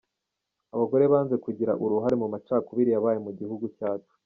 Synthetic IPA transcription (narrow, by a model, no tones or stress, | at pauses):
aβaɡo̞ɾeβaːnze̞kuɟiɾaʔuɾuɦaɾemumat͡ʃaːkuβiɾijaβaːjemuɟihuɡucaːt͡ʃu̥